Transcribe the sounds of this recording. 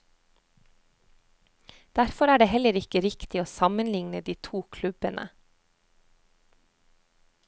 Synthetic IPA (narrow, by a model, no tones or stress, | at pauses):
d̪̥æɾfɔɾæːɖeːhɛləɾɪkəɾɪkt̪ɪoːsɑmənlɪŋnəd̪iːt̪ʰuːkʰlʉbənʔə̰